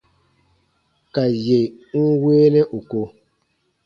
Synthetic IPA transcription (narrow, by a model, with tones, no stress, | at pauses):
ka˨je˨ | ŋ̩˦weː˦nɛ˦ʔu˨ko˨